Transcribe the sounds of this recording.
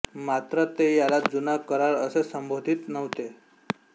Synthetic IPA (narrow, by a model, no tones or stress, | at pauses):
mat̪ɾət̪ejalad͡zunakəɾaɾəsesəmbʱod̪ʱit̪nəʋt̪e